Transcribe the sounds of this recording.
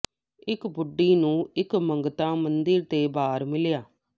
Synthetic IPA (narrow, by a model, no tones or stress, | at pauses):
ɪkbʊɖːiːnũːɪkməŋɡt̪ãːmənd̪ɪɾt̪eːbaːɾmɪljaː